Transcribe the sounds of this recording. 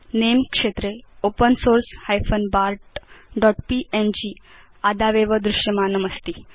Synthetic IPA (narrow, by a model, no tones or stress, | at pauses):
nemkʂet̪ɾeopənsoɾshajfənbaɾʈɖɔʈpiʔend͡ʑiː | ad̪aʋeʋəd̪ɾuʂjəmanəməst̪i